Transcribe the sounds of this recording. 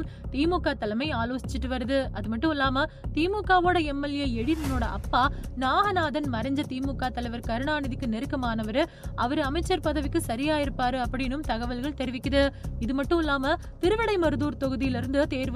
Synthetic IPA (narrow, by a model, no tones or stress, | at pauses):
m | t̪iːmuːkːaːt̪ːɐlɐmɐɪaːloːsɪt͡ʃːɪʈːɯʋɐɾɯðɯɐðɯmɐʈːɯ̃mɪlːaːmɐt̪iːmuːkːaːʋoːɽɐɛmːɐljɐɛɽɪnɐnoːɽɐʔɐpːaːnaːɣɐnaːðɐnmɐɾɐɲd͡ʒɐt̪iːmuːkːaːt̪ːɐlɐɪʋɐɾkɐɾɯɳaːnɪðɪkːɯnɛɾɯkːɐmaːnɐʋɐɾɯ | ɐʋɐɾɯɐmɐɪt͡ʃːɐɾpɐðɐʋɪkːɯsɐɾɪjaːjɪɾɯpːaːɾɯɐpːɐɽɪjnɯmt̪ɐɣɐʋɐlɣɐɭt̪ɛɾɪʋɪkːɐðɯɪðɯmɐʈːɯ̃mɪlːaːmɐ | t̪ɪɾɯʋɪɽɐɪmɐɾɯðuːɾt̪ɔɣɯðɪjɪlɪɾɯnd̪ɯt̪eːɾʋ